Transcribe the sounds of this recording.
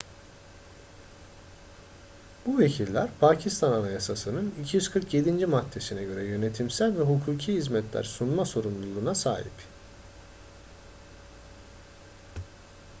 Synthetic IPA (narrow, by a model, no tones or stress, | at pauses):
b̥uve̞cʰilʲːæɾpʰaːcʰist̪ʰananajasasɯnɯnicʰijyz̥kʰɯɾkje̞d̪ind͡ʒimat̪ʰːe̞sinɛɟø̞ɾɛjø̞net̪ʰimsælʲvɛɦukʰuːcʰihizmɛt̪ʰlʲæ̰ɾsunmaso̞ɾumlˠulˠuːnasa̰ːɦḭp